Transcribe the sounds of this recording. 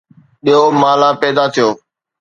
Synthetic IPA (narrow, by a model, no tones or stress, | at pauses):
ɓijomaːlãːpɛːd̪at̪ʰijoː